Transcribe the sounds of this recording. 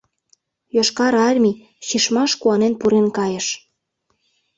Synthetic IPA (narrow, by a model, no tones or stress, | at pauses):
joʃkɑɾɑrmʲi | ɕiʃmɑʃkuɑnenpuɾenkɑjə̆ʃ